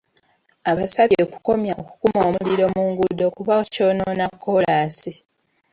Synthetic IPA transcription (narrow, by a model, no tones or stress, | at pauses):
aβasaβeːku̥ko̞mjaoku̥kumoːmuliɾo̞muːŋɡudo̞kuβaco̞ːnoːnakʰːo̞laːsi